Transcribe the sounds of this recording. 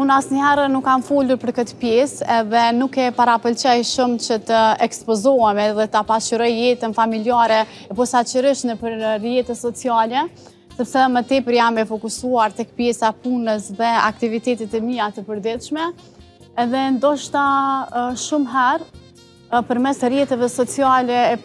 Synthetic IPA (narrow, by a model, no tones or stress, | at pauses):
punasnəɦɛɾənukːanfuluɾpəɾkət̪pjɛsɛðɛnukɛpaɾapəlt͡ʃɛjʃumt͡ɕət̪əɛkspɔzɔɛmɛðɛt̪apat͡ʃəɾɔjːɛt̪ənfamiliaɾɛ | ɛpɔsat͡ʃəɾiʃnəpəɾrijɛt̪ɛsɔt͡sialɛ | sɛpsɛmət̪ɛpəɾjamɛfɔkusuaɾt̪ɛk̚pjɛsapunəsðɛa̰kt̪ivit̪ɛt̪ɛt̪ɛmiat̪əpəɾd̪it̪ʃmɛ | ɛðɛnd̪ɔʃt̪a | ʃumɦɛɾ | pəɾmɛsrjɛt̪ɛvɛsɔt͡sialɛː